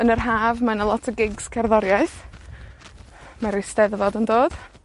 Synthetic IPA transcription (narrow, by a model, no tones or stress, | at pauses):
ənərɦaːvmanəlˠɔtʰəɡɪɡskʰɛrðɔɾjaɨθ | maɾɪstɛðvɔdəndoːd̥